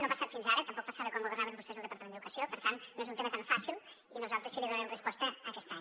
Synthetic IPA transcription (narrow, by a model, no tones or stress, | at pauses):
nopasat̪finzaɾət̪əmpɔk̚pasaβəkwaŋɡuβəɾnaβəmbust̪ɛzəlˠd̪əpɾt̪əmenəðukəsiopəɾt̪annːoezunt̪emət̪aɱfasilˠ | inuzalˠt̪ɾəsiliðunəɾɛmrəspɔst̪əːkɛst̪a